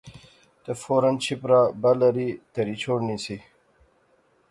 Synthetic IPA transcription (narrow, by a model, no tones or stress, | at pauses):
t̪efoːɾɐnt͡ɕʰipɾabɐlɐɾit̪ɐɾit͡ɕʰoːɽnisi